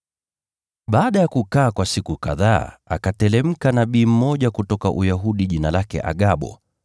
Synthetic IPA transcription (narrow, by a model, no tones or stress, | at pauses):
ɓaːɗajakukaːkwasikuka̰ðaːa̰katɛlɛm̩kanaɓiːm̩mɔʄakutɔka̰ʔujaɦuɗiʄinalakɛ̰ʔa̰ɠaɓɔ̰